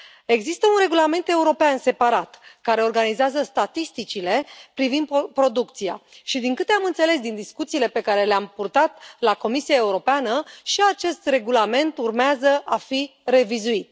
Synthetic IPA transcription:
e̞ɡzist̪əunre̞ɡulame̞nt̪e̞uɾo̞peanse̞paɾat̪kaɾe̞o̞rɡanizeazəst̪at̪ist̪it͡ʃile̞pɾivind̪pɾo̞d̪ukt̪sia̰ʃid̪iŋkɨt̪e̞amɨnt̪se̞le̞s̬d̪ind̪iskut̪siːle̞pe̞kaɾe̞leampurt̪at̪lako̞misiae̞uɾo̞peanəʃiat͡ʃe̞st̪re̞ɡulame̞nt̪urmeazəʔafire̞vizuit̪̚

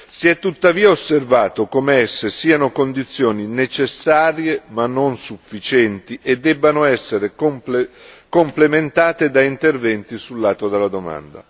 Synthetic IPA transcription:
siɛt̪ːut̪ːaviːaosːervaːt̪okomeɛsːesiːanokond̪it̪sːjoːninet͡ʃesːaːɾjemanːonsufːit͡ʃɛnt̪iʔed̪ːɛbːanoɛsːeɾekompekomplement̪aːt̪ed̪aint̪ervɛnt̪isulːaːt̪od̪elːad̪oma̰nd̪a̰

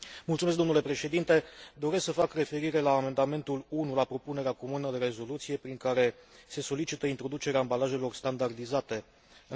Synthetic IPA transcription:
mult̪sumes̬kd̪o̞nule̞pɾe̞ʃe̞d̪int̪e̞d̪o̞ɾe̞sksəfakre̞fe̞ɾiɾe̞laːme̞nd̪ame̞nt̪ulunulapɾo̞pune̞ɾeako̞munəd̪e̞ɾe̞zo̞lut̪sije̞pɾiŋkaɾe̞se̞so̞lit͡ʃit̪əint̪ɾo̞d̪ut͡ʃe̞ɾeaːmbalaʒe̞lo̞rst̪and̪ard̪izat̪e̞

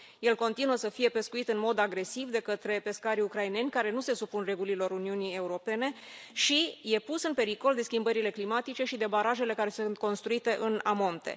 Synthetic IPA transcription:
je̞lko̞nt̪inuəsəfije̞pe̞skuit̪ɨnmo̞d̪aɡɾe̞sivd̪e̞kət̪ɾe̞pe̞skaɾiukɾaine̞nʲkaɾe̞nuse̞supunre̞ɡulilo̞ɾuniunije̞uɾo̞pe̞ne̞ʃije̞pusɨnpe̞ɾiko̞ld̪e̞skʲimbəɾile̞klimat̪it͡ʃe̞ʃid̪e̞baɾaʒe̞le̞kaɾe̞sunt̪̚ko̞nst̪ɾuit̪e̞ʔɨnamo̞nt̪e̞̰

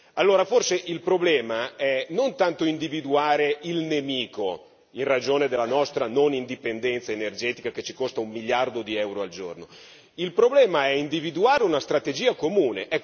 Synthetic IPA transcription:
alːoːɾaforseʔilpɾoblɛːmaɛnont̪ant̪oind̪ivid̪uaːɾeilnemiːko | inrad͡ʒoːned̪elːanɔst̪ɾanonind̪ipend̪ɛnt̪saenerd͡ʒɛːt̪ikaket͡ʃikost̪aumːiljard̪od̪iɛwɾoald͡ʒo̰rno | ilpɾoblɛːmaɛind̪ivid̪uaːɾeunast̪ɾat̪ed͡ʒiːakomuːnḛʔɛkː

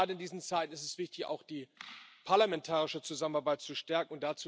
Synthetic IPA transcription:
aːdəɪndiːzn̩t͡saɪtn̩ɪstɛsv̥ɪçtɪça̰ʊxd̥iːpʰaɐlamɛntʰaːʁɪʃət͡suzamənaɐbaɪt̚t͡suʃtɛɐkŋ̩ʊntd̥at͡suː

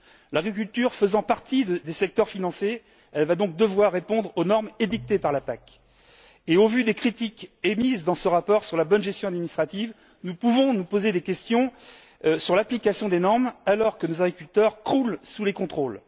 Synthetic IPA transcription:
laɡʁik̬ʲylt̪yʁfəzɑ̃paʁt̪iəd̪esɛk̚t̪œʁfinɑ̃se | ɛlvad̪ɔ̃k̚d̪əvwaʁːepɔ̃d̪ʁonɔʁmed̪ik̚t̪epaʁlapak | eovyd̪ekχit̪ikemizd̪ɑ̃səʁapɔʁsyʁlabɔnʒɛst̪jɔ̃ad̪minist̪χat̪iv | nupuvɔ̃nupozed̪ekʲɛst̪jɔ̃ | syʁlaplikasjɔ̃d̪enɔʁmalɔʁkənozaɡʁikʲylt̪œʁkχulsulekɔ̃t̪χol

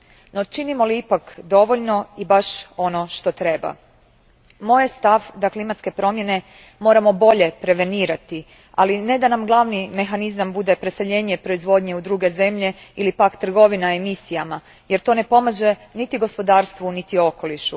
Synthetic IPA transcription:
no̞t͡ʃinimo̞liipakd̪o̞ʋo̞ʎno̞ibaʃo̞no̞ʃt̪o̞t̪ɾe̞ba̰ | mo̞jest̪aʋd̪aklimat̪ke̞pɾo̞mje̞ne̞ | mo̞ːɾamo̞bo̞ʎe̞pɾe̞ʋe̞niːɾat̪i | a̰line̞d̪anamɡlˠaːʋnime̞xanizambud̪e̞pɾeseʎe̞ːɲe̞pɾo̞izʋo̞d̪ɲe̞ud̪ɾuːɡe̞ze̞mʎe̞ilipakt̪r̩ɡo̞ʋinaemisijama | je̞ɾt̪o̞ne̞po̞maʒe̞nit̪iɡo̞spo̞d̪aːɾst̪ʋunit̪io̞ko̞liʃu

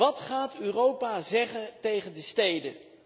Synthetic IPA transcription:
ɑtχaːtøːrowpaːzɛχəntejχəndəstejdə

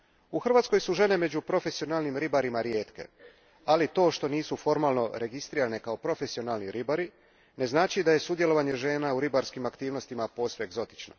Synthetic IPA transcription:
uxr̩ʋaːt̪sko̞jsuʒe̞ne̞me̞d͡ʑupɾo̞fe̞sio̞naːlnimɾibaɾimaɾje̞ːt̪ke̞̰ | alit̪o̞ːʃt̪o̞niːsufo̞ɾmaːlˠno̞ɾe̞ɡist̪ɾiːɾane̞kaopɾo̞fe̞sio̞naːlniɾibaɾi | ne̞znaːt͡ʃid̪aje̞sud̪jelo̞ʋaɲe̞ʒe̞ːnauɾibaɾskimakt̪iːʋno̞st̪imapo̞sʋeeɡzo̞t̪i̥t͡ʃno̰

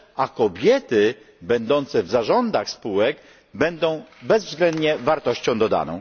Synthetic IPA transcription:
akɔbʲjɛt̪ɘ | bɛnd̪ɔnt̪sɛvzaʐɔnd̪axspuwɛɡ | bɛnd̪ɔ̃w̃bɛzvzɡlɛnd̪ɲɛvaɾt̪ɔɕt͡ɕɔ̃w̃d̪ɔd̪a̰nɔ̰̃w̃

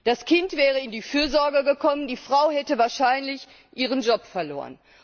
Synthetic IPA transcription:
d̥askʰɪntv̥ɛːʁ̞əɪndiːfyːɐzɔɐɡəɡəkʰɔməndiːfʁ̥aʊhɛtəvaːɐʃaɪnlɪç | ʔiːʁ̞ənd͡ʒɔpfɛɐlo̰ːʁə̰n

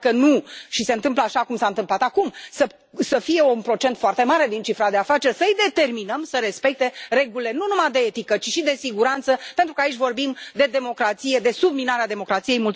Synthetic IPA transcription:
kənuʃise̞ɨnt̪ɨmp̬ləaʃakumsaɨnt̪ɨmplat̪akumsə | səfije̞unpɾo̞t͡ʃe̞nt̪foart̪e̞maɾe̞d̪int͡ʃifɾad̪e̞afat͡ʃe̞rʲsəɨjd̪e̞t̪e̞rminəmsəɾe̞spe̞k̚t̪e̞re̞ɡulle̞nunumajd̪eet̪ikət͡ʃiʃid̪e̞siɡuɾant̪səpent̪ɾukait͡ʃʲvo̞rbimd̪e̞d̪e̞mo̞kɾat̪sije̞d̪e̞subminaɾead̪e̞mo̞kɾat̪sije̞jmult̪

